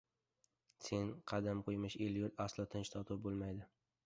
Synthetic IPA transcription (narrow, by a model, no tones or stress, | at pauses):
se̞nqʰɑd̪amqʰojmɪʃeljʊt̪aslˠɒt̪ʰɪnt͡ʃt̪ʰɒt̪ʰʊp̚bolˠmajd̪ɪ